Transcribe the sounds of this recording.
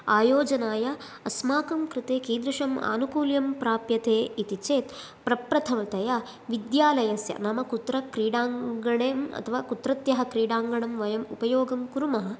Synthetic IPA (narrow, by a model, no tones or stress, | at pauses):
aːjoːd͡ʒɐnaːjɐ | ɐsmaːkɐmkɾɪt̪eːkiːd̪ɾuʂɐma̰ːnukuːljɐmpɾaːpjɐt̪eːit̪it͡ʃeːt̪ | pɾɐpɾɐt̪ʰɐʋɐt̪ɐjɐ | ʋid̪jaːlɐjɐsjɐ̰nɐmɐkut̪ɾɐkɾiːɽaːŋɡɐɽeːmɐ̰t̪ʰɐʋaːkut̪ɾɐt̪jɐɦɐ̆kɾiːɽaːŋɡɐɽɐmʋɐjɐmupɐjoːɡɐmkuɾumɐɦɐ̆